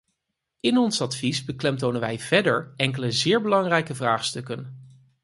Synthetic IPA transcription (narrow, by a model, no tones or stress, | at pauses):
ɪnɔnsɑtfizbəklɛmtownənʋɛjv̥ɛdəɹɛŋkələzɪːɹbəlɑŋrɛjkəvraːχstɵkən